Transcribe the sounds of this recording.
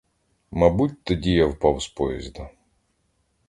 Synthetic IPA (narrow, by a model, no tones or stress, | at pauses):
mɐbutʲt̪ɔdʲijawpɑwspɔjɛzʲd̪ɐ